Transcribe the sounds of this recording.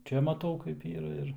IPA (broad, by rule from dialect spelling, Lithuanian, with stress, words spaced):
ˈt͡ʃʲɛ mɐˈtɐʊ kɐɪp ˈiːrɐ ɪr